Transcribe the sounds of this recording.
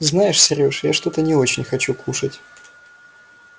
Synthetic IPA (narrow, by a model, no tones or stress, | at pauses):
znajɪʂsʲɪɾʲoʂjaʂt̪o̞t̪ənʲɪo̞t͡ɕɪnʲxɐt͡ɕukuʂətʲ